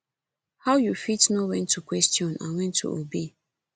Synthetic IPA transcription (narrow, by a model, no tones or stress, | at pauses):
hawjufitnɔwɛ̃ntʰːukwɛstiɔ̃nã̰nwɛ̃ntʰːṵʔobe